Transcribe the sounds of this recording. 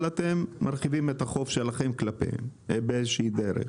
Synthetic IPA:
lat̪e̞mːaɾχivimet̪aχo̞fʃe̞laχe̞mklapḛmbeezʃiid̪eɾḛ

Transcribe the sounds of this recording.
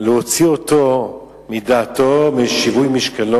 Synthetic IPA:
lehot͡siot̪o | midaːt̪omiʃivujmiʃkalo

